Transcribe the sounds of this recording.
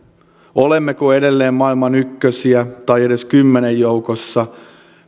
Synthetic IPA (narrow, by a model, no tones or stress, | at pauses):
olemːekoede̞lːeːmmɑilmɑnykːøsiæt̪ɑjedeskymːenejjoukosːɑ